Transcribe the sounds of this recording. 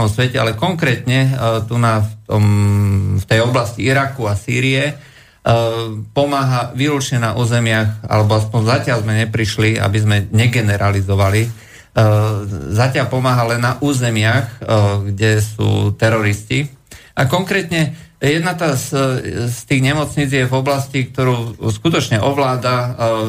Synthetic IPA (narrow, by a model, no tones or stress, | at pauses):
ɔmsʋɛcɛa̰lɛkɔŋkɾɛːt̪ɲɛt̪unaft̪ɔm | ft̪ɛjɔblasciiɾakuasḭːɾiɛ | pɔmaːɦaʋiːɾut͡ʃɲɛna̰ʔuːzɛmɪaxa̰lɛbɔaspɔɲzacɪalzmɛɲɛpɾiʃlia̰bizmɛɲɛɡɛnɛɾʔalizɔʋali | zacɪalpɔmaːɦalɛnːaʔuːzɛmɪaxɡɟɛsṵːt̪ɛɾɔɾisciʔakɔŋkɾɛːt̪ɲɛ | jɛd̪nat̪asst̪iːɣɲɛmɔt͡sɲid͡zjɛvɔblascik̚t̪ɔɾuːskut̪ɔt͡ʃɲɛʔɔʋlaːd̪a